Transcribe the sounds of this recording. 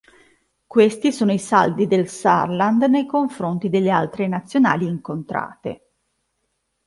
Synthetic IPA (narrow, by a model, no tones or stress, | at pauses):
kwest̪isoːnoisa̰ld̪id̪elsa̰rland̪nejkoɱfɾont̪id̪elːealt̪ɾenat̪sːjona̰ːliːŋkont̪ɾa̰ːt̪ḛ